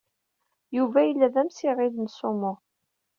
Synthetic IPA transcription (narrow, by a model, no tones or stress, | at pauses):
juvæjəlːæðæmsiʁiðnsʊmʊ